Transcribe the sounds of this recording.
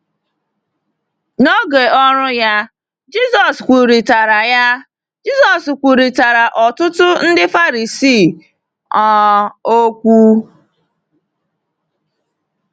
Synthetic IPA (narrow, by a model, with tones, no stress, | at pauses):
no˦ɡe˨ɔ˦ɾʊ˦ja˦ | d͡ʒi˦zɔ˨skʷu˨ɾi˨ta˨ɾa˨ja˦ | d͡ʒi˦zɔ˨skʷu˨ɾi˨ta˨ɾa˨ʔɔ˨tʊ˦tʊ˦n̩˦dɪ˦fa˦ɾi˨si˦˨ | ɔ˦o˦kʷu˦